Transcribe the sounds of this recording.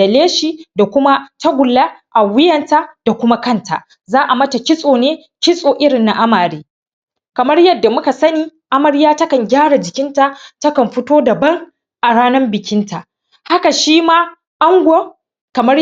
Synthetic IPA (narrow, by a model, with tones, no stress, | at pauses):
dɐ˨leː˦ʃiː˨da˨kʷʊ˦ma˦ta˦ɡʷʊ˨lːa˦ʔa˨wɪ˦jɐ˨nta˦d̥a˨kʷʊ˦ma˦kɐ˦˨nta̰˨ʔ | zaː˦ʔa˨mɐ˦ta˨kʲɪ˦sʼoː˨neː˦ | kʲɪ˦sʼoː˨ʔɪ˦ɽɪ˨nːa˦ʔa˦maː˨ɽeː˦ | kɐ˨mɐ˦rjɐ˦dːa˨mʊ˦ka˨sɐ˦niː˦ | ʔa˦mɐ˦rjaː˦tɐ˦kɐ˨ŋɡʲaː˦ɽa˨d͡ʒɪ˨kʲɪ˦nta˨tɐ˦kɐ˨mɸɪ˦toː˦dɐ˨bɐ˦ŋ | ʔa˨ɽaː˦nɐ˦mbɪ˨kʲɪ˦nta˨ʔ | ha˦ka˨ʃiː˦maː˦ | ʔa˦ŋɡʷo˦ | kɐ˨mɐ˦